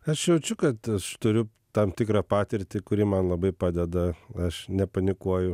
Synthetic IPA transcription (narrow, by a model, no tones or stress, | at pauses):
ɐʃjɛʊt͡ʃʲʊkɐt̪ɐʃt̪ʊɾʲʊ | t̪ɐmt̪ʲɪkɾɑːpɑːt̪ʲɪɾʲt̪ʲɪkʊɾʲiːmɐnlˠɐbɐɪpɑːd̪ʲɛd̪ɐɐʃnʲɛpɐnʲɪkuɔjʊ